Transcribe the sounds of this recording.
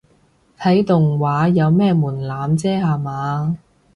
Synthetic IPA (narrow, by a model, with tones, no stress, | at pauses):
t̪ʰɐ˨˥jt̪ʊ˨ŋwaː˨˧˥jɐ˨˧wmɛː˥muː˨˩nlaː˨˥mt͡sɛː˥haː˨maː˨˧